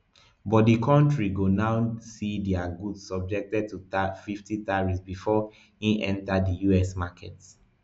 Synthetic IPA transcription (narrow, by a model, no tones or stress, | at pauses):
bɔt̚dikʰɔ̃ntɹiɡonaʊsidiaɡudsɔb̚d͡ʒɛk̚tɛd̚tutafiftitaɹisbifɔ | hiʔɛ̃ntadijuɛsmakʰɛ̰t